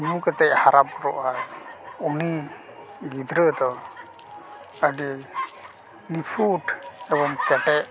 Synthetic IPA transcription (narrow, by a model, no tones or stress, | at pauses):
ɲũkɛt̪ɛʔhaɾab̚ɾɔʔajuni | ɡid̪ɾəd̪ɔ | əɖi | nipʰuʈɛbɔmkɛʈɛʔ